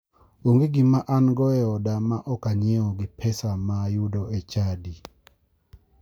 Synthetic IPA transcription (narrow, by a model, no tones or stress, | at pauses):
oŋɡeɡɪmaʔanɡɔɛɔdamaʔɔkaɲjeɔɡɪpʰɛsamajʊdɔet͡ʃadi